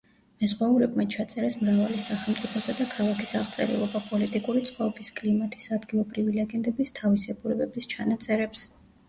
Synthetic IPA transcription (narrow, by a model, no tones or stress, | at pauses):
mɛzʁwauɾɛbmat͡ʃʰat̪sʼɛɾɛsmɾavalisaχɛlˠmt̪sʼipʰɔsad̪akʰalˠakʰisaʁt̪sʼɛ̰ɾɛ̰lˠɔbapʼɔlit̪ʼikʼuɾit̪sʼqʼɔɔbiskʼlimat̪ʰʼi̥sad̪ɡilˠɔbɾivilɛɡɛnd̪ʼɛbist̪ʰavisɛbuɾɛbɛbist͡ʃʰanat̪sʼɛɾɛps